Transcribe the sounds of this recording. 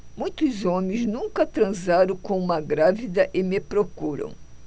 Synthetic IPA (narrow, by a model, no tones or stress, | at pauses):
mũj̃t̪ʊzõmẽj̃znũŋkɐt̪ɾɐ̃zaɾõkõumɐɡɾavid̪ɐʔɪmepɾokuɾɐ̰̃w̃